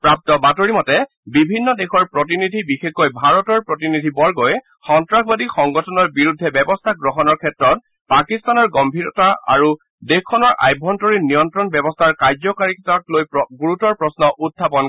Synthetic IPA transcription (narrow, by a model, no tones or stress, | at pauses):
pɹap̚tɔbatoɹimɔtɛ | bibʱinːɔdexʰɔɹpɹɔt̬inidʱibixexojbʱaɹɔtɔɹpɹɔt̬inidʱibɔɹɡoj | xɔntɹakʰbadixɔŋɡɔtʰɔnɔɹbiɹudʱːɛbɛbɔstʰaɡɹɔɦɔnɔɹkʰɛtɹɔt̚ | pakistanɔɹɡɔmbʱiɹɔtaa̰ɹu | dexkʰːɔnɔɹʔa̰jbʱɔntɔɹinijɔntɹɔnbɛbɔstʰaɹkaɹzɔkaɹiktaklojɡuɹutɔɹpɹɔsnɔʔudʱːapɔn